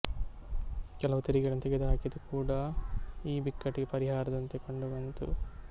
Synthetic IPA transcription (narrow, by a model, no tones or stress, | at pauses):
kɛlɐʋut̪ɐɾiɡɐɭɐnːɐt̪ɛɡed̪uɦaːkid̪ukʰuːɽɐiːbikːɐʈːiɡepɐɾiɦaːɾɐd̪ɐnt̪e̞koɳɖuʋɐnt̪ṵ